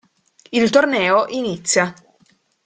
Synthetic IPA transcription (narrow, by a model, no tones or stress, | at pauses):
ilt̪ornɛːoʔinit̪sːja